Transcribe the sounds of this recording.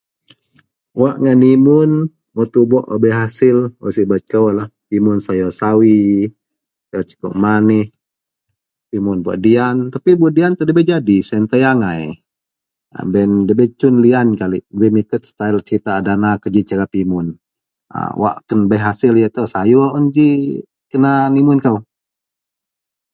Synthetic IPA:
waʔŋanimʊn | wɔt̪ubɔʔabɛɦasɪlwɔ̰sibat͡ʃ̚kawlahpimʊnsajɔsawi | aɔt͡ʃə̥kɔ̰ʔmanih | pimʊnbua̰ʔdiant̪apibaʔdiant̪ədəbɛd͡ʒadisɛnt̪əjaŋaj | bɛndəbɛt͡ʃʊnliankalḭʔəbɛmikət̪̚st̪ailt͡ʃɾit̪adanakəd͡ʒit͡ʃəɾapimʊn | ə̰wa̰ʔkənbaɦasɪljət̪əsajɔʔund͡ʒi | kənanimʊnkaw

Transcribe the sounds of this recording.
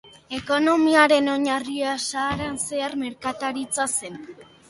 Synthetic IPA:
e̞ko̞no̞miaɾe̞no̞ɲariasaːɾanse̞aɾme̞ɾkat̪aɾit͡sasen

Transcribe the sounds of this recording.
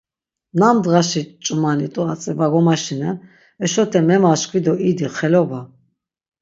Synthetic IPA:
namd̪ʁaʃit͡ʃʼumanit̪ʼuat͡sʼɛvaɡɔmaʃina | ɛʃɔt̪ʰɛmɛmaʃkʰwid̪ɔʔid̪iχɛlɔba

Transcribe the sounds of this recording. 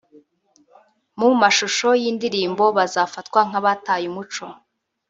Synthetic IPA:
mumaʃuʃo̞jiːndiɾiːmbo̞βazaːfatkwaŋ̥aβataːjumut͡ʃo̞

